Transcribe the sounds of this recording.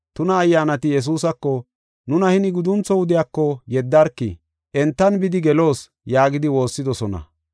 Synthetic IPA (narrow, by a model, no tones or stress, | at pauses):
t̪ʊnɐːjːaːnɐt̪ɪjɛs̬uːsɐkːɔ | nʊnɐhɪnɪɡʊd̪ʊnt͡sːɔwʊd̪ɪjakːɔjɛd̪ːɐɾkːɪ̰ | ʔɛnt̪ːɐnbɪd̪ɪɡɛlo̞ːs | jaːɡɪd̪ɪwo̞ːsːɪd̪ɔsɔnɐ̰